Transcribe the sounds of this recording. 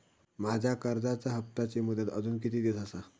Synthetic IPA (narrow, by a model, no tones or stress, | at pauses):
mad͡ʑʱjakəɾd͡zat͡saɦəp̚t̪at͡ɕemud̪ət̪əd͡zuːnkit̪iːd̪isəsa